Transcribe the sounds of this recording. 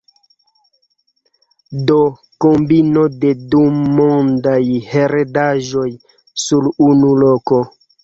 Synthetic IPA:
do | kombinode̞dumondajheɾedaʒo̞j | suɾunuloko

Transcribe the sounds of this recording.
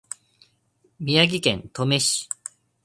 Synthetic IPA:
mʲijaɡʲikẽ̞̰nt̪o̞me̞ɕi̥

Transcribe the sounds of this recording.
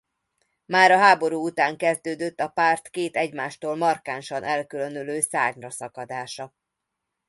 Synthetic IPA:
maːɾɒɦaːbo̞ɾuːut̪aːŋkɛzd̪øːd̪øt̪ːɒpaːrt̪keːt̪ɛɟmaːʃt̪oːlmɒrkaːnʃɒnʔɛlkylø̞nøløːsa̰ːɲrɒsɒkɒd̪aːʃɒ

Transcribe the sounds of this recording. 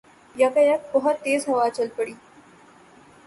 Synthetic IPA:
jɐkəjək̚bəɦɔt̪ːeːzɦɐʋat͡ʃəlpəɽiː

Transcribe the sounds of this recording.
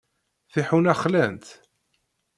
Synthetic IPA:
θiħunæχlænt̪

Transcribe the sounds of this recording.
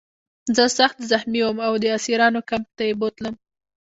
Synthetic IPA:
zəsaxt̪zaxmiwəmawd̪əasiɾɑnokamp̚t̪ajebot̪ləm

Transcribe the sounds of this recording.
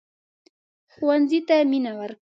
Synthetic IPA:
xwanzit̪aminawaɾ

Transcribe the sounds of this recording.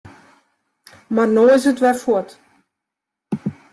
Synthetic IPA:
marnoːɪs̬ətʋɛlfuət

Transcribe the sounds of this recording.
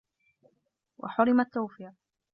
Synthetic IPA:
wʔa̰ħʊɾɪmat̪ːawfiːɾ

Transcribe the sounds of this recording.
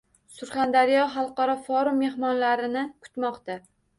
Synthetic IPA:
sʊɾχand̪aɾijɒɦɑlˠqɑɾɒfɒɾʊmːe̞hmɒnlaɾɪnɪkʰʊ̥t̪mɒqt̪a

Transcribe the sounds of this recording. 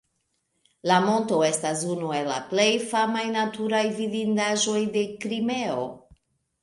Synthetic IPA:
lamo̞nto̞e̞stas̬unue̞lːa̰ple̞jfamajnatuɾajvidindaʒo̞jde̞kɾime̞o̞̰

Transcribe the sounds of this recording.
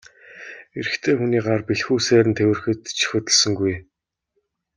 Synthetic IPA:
eɾɘ̆xt̪ʰeːxuniːɢarpiɮxuːsæːɾɘnt̪ʰewɘ̆rxɘ̆t̪t͡ɕʰi̥xʲɵt̪ə̆ɮsə̆ŋɡuj

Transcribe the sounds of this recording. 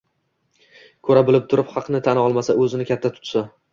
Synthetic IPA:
kʰɵɾabɪlɪp̚t̪ʰʊɾɪpχɑqnɪt̪ʰanɒlˠmasaɵzɪnɪkʲat̪ʰːat̪ʰʊ̥t̪sa

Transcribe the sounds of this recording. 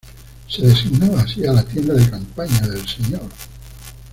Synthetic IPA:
seðesiɣnaβaːsialat̪jend̪aðekampaɲaðelseɲoɾ

